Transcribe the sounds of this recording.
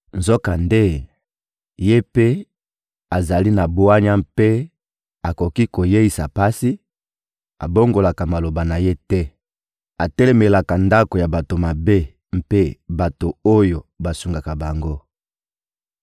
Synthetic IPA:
nzo˦ka˨nde˦ | je˦pe˦ | a˨za˨li˦na˨bo˦a˦ɲa˦mpe˦ | a˨ko˨ki˦ko˨je˦i˨sa˨pa˦si˦ | a̰˨bo˦ŋɡo˨la˨ka˨ma˨lo˨ba˨na˨je˦tɛ˦ | a˨tɛ˦le˨me˨la˨ka˨nda˦ko˨ja˨ba˨to˨ma˨be˦ | m̩˦pe˦ba˨to˨o˦jo˨ba˨su˨ŋɡa˨ka˨ba˨ŋɡo˦

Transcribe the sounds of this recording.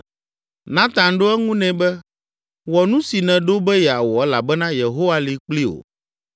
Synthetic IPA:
nã˦t̪ã˨nɖo˦ɛ˦ŋũ˦nɛ̃˨bɛ˦ | wɔ˨nũ˦si˨nɛ̃˨ɖo˦bɛ˦jɛ˨a˨wɔ˨ɛ˦la˨bɛ˦nã˦je˨ɦo˦wa˦li˨k͡pli˦o̰˨

